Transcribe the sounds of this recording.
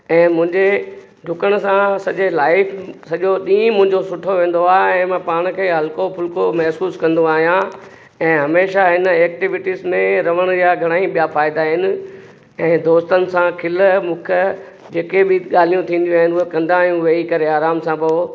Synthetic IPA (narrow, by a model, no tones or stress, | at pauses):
ɛ̃ːmʊ̃ɦɪ̃ɲd͡ʑe | ɖʱʊkəɽ̃ʊ̆sãsɐʄelaːɪfsɐʄoɗĩːmʊ̃ɦɪ̃ɲd͡ʑosʊʈʰoʋẽːn̆d̪oaːɛ̃ːmãːpaːɽ̃kʰeːɦɐlkopʰʊlkomɛɦsuːskɐ̃nd̪oaːɦijã | ɛ̃ːɦɐmeːʃaɦɪnɛːk̚ʈiʋɪʈiːzmẽɾɐʋ̤əɽ̃jaɡʱɐɽ̃aːĩɓijafaːɪd̪aɦɪnɪ̆ | ɛ̃ːd̪oːst̪ənɪ̆sãkʰɪlmʊ̃kʰə | d͡ʑeːkebʱɪɠaːl̤ijũt̪ʰĩːnd̪ijũaːɦɪnʊɦekɐ̃nd̪ãːɦijũʋeikɐɾeaːɾaːmsãpo